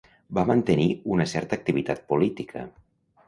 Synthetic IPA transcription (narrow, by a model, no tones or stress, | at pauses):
bamənt̪əniunəsɛɾt̪əːk̚t̪iβit̪at̪̚pulit̪ikʰə̰